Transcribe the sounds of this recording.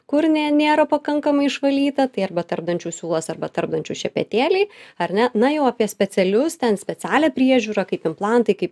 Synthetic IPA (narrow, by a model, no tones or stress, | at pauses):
kʊɾnʲɛnʲeːɾɐpɐkɐŋkɐmɐɪɪʃʋɐlʲiːt̪ɐt̪ɐɪɐrbɐt̪ɐrb̚d̪ɐnʲt͡ʃʲuːsʲuːlˠɐsɐrbɐt̪ɐrb̚d̪ɐnʲt͡ʃʲuːʃʲɛpʲɛ̰t̪ʲeːlʲɛɪɐɾʲnʲɛnɐjɛʊɐpʲiɛsʲpʲɛt͡s̪ʲɛlʲʊst̪ʲɛnsʲpʲɛt͡ssʲæːlʲɛːpʲɾʲiɛʒʲuːɾɐkɐɪpɪmplˠɑnt̪ɐɪkɐɪp